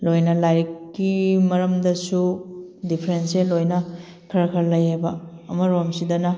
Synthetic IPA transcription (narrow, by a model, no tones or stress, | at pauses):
lojnɐlajɾkːimɐɾɐmdɐsudipʰɐɾenselojnɐ | kʰɐɾɐkʰɐɾlɐjhabɐ̰ː | mɐɾomsidɐnɐ